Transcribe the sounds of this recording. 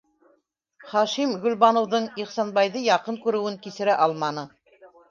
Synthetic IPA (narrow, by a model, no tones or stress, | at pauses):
χɑʃimɡɵ̆lβɑnŏwðɤɴiχsɑnbɑjðɤjɑqɤŋkʉɾɘ̆wɘŋkisɘ̆ɾæʔɑlˠmɑnɤ